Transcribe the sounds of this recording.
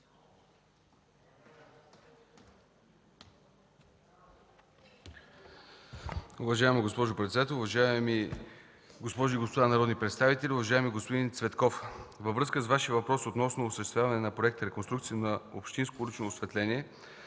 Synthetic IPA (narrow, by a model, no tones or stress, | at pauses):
ʊvɐʒaɛmiɡospɔʒʊpɾɛt̪sɛd̪at̪ɛlˠʊvɐʒami | ɡospɔʒʊiɡospod̪anɐɾɔd̪nipɾɛt̪st̪avit̪ɛlʲiʊvɐʒaɛmiɡospod̪int̪svɛt̪kɔfvəvɾɤskəsvaʃijəvɐpɾɔsot̪nɔsnoːsəʃt̪ɛst̪vʲjavɐnɛnɐpɾoɛk̚t̪əɾɛkonst̪ɾukt̪siənɐopʃt̪inskoulit͡ʃnoːsvɛt̪lɛnʲiɛ